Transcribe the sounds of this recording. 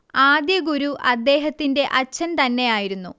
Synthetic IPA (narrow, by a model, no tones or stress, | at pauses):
aːd̪jɐɡuɾuʔɐd̪ːe̞ːɦɐt̪ːinde̞ʔɐt͡ɕːɐnt̪ɐnːe̞jaːjiɾunːu